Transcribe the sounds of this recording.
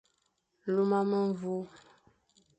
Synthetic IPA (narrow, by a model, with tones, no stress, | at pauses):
lu˦ma˦mə˦ɱ˦vu˦